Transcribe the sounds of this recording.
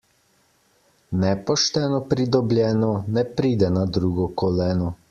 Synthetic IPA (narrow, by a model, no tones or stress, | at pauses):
nɛpɔʃt̪ɛːnɔpɾid̪ɔblʲjɛːnɔnɛpɾiːd̪ɛnad̪ɾuːɡɔkɔlɛːnɔ